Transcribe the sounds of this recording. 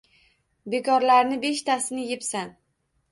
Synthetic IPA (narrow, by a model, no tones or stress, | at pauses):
be̞kʰɒɾlaɾnɪbe̞ʃt̪ʰasɪnɪjepsan